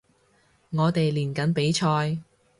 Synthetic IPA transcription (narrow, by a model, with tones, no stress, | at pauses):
ŋɔː˨˧t̪e˨jliː˨˩nkɐ˨˥npe˨˥jt͡ʃʰɔː˧j